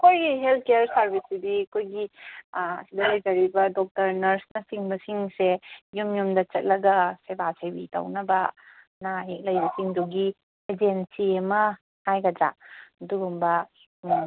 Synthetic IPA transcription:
ɐkʰojɡiɦelt̚ʰkejɐɾsɐɾbisidiɐkʰojɡi | ɐ̰sidɐlajd͡ʒɐɾibɐdɔk̚tɐɾnɐɾsnɐsiŋbɐsiŋsejumjumdɐt͡ʃɐt̚lɐɡɐsebasebitɐ̰wnɐbɐ | naɦek̚lɐjbɐsiŋdoɡi | ed͡ʒensiɐmɐ | hajɡɐd͡ʒa̰duɡumbɐ

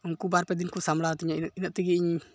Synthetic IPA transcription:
uŋkubaɾpɛd̪inkusamlat̪iɲainaʔ̚t̪iɡiiɲ

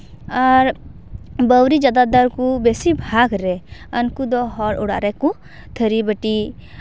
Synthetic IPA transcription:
aɾ | bəwɾid͡ʒad̪ad̪aɾkubesibʱaɡɾɛənkud̪ɔɦɔɽʔuɽa̰ʔɾɛku | t̪ʰəɾibəʈi

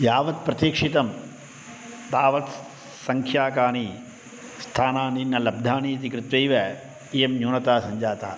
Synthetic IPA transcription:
jaːʋɐt̪̚pɾɐt̪jiːkʂit̪ɐm | t̪aːʋɐt̪ | sɐŋkʰjaːkaːniː | st̪ʰaːnaːninːɐlɐb̚d̪ʱaːniːt̪̬ikɾɪt̪ʋejʋɐ | ijemnjuːnɐt̪aːsɐɲd͡ʒaːt̪a̰ː

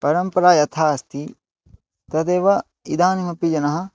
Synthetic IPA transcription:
pɐɾɐmpɐɾaːjɐt̪ʰaːɐst̪ʰi | t̪ɐt̪eːʋɐ | id̪aːnimɐpid͡ʒɐnɐɦɐ̆

